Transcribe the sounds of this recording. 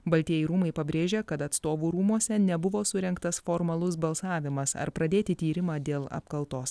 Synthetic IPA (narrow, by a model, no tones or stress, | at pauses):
bɐlʲt̪ʲiɛjɛɪɾuːmɐɪpɐbʲɾʲeːʒʲeːkɐt̪ɐt̪st̪oːʋuːɾuːmuɔsʲɛnʲɛbʊʋoːsʊɾʲɛŋkt̪ɐsfoːɾmɐlˠʊs̬bɐlˠsɑːʋʲɪmɐsɐ̰ɾpɾɐd̪ʲeːt̪ʲɪt̪ʲiːɾʲɪmɑːd̪ʲeːlˠɐ̰pkɐlˠt̪oːs